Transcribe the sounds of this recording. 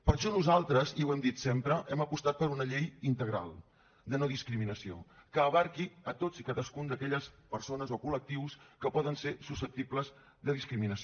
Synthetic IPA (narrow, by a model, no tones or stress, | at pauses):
pəɾʃɔnuzalˠt̪ɾəziwɛmd̪it̪sempɾəʔɛməpust̪at̪̚pəɾunəʎejint̪əɣ̞ɾa̰lˠ | d̪ənoðiskɾiminəsio̰kəːβaɾkiət̪ozikaðəskund̪əkɛʎəspəɾsonəzokulək̚t̪iwskəpɔðənseɾsusəp̚t̪ipləz | d̪əðiskɾiminəs